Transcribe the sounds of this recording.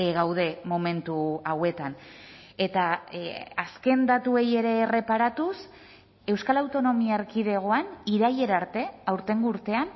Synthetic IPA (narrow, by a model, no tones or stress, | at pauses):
ɣawð̞e̞mo̞me̞nt̪uawe̞t̪ane̞t̪a | aske̞nd̪at̪ue̞je̞ɾe̞re̞paɾat̪us | e̞wskalawt̪o̞no̞miaɾkiðe̞ɣ̞o̞aniɾaje̞ɾaɾt̪e̞awɾt̪e̞ŋɡuːɾt̪e̞an